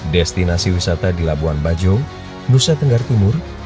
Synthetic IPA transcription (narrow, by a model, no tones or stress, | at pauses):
dɛst̪inasiwisat̪adilabuanbad͡ʒo | nusat̪əŋɡart̪imʊr